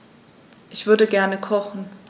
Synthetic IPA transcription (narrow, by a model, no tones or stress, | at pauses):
ʔɪçv̥ʏɐdəɡɛɐnəkʰɔχn̩